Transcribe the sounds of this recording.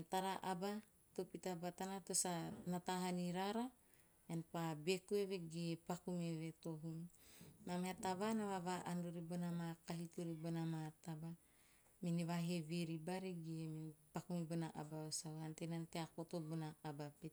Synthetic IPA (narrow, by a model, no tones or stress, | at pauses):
ntaɾaʔaba | topitabatanatosanataɦaniɾaɾa | enpabekueβeɡepakumeβeto̞ɦunnameataβanaβaβaʔandoɾibonamakaɦitoɾibonamataba | miniβaɦeβeɾibaɾiɡempakumibonaʔa̰baosawhantenanteako̞tobonaːbape